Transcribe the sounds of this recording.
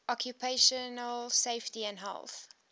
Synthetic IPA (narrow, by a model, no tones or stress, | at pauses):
ʔɔkʰjupʰeʃənəlseɪftiæ̃ndɦɛ̰lˠθ